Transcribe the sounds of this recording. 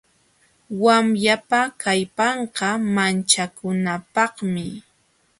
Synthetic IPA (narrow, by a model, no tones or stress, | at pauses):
wamjapakajpɑɴqɑmant͡ʃakʊnapɑχmɪ